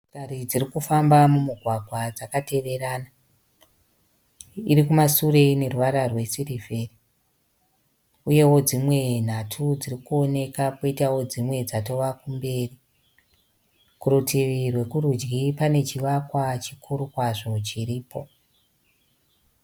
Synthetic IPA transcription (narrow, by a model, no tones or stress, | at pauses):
karid͡ziɾikufambamumuɡʱwaɡʱwad͡zakate̞ʋe̞ɾana | iɾikumasure̞ne̞ruwaɾarwe̞sirive̞ri | uje̞wo̞d͡zimwe̞n̤atʰud͡zirikuo̞ne̞kakoitawo̞d͡zimwe̞d͡zato̞ʋakumbe̞ːri | kuɾutʰiʋirwe̞kuɾud͡ʒɡipane̞t͡ʃiʋakwat͡ʃikʰuɾukwaʐo̞t͡ʃiɾiːpo̞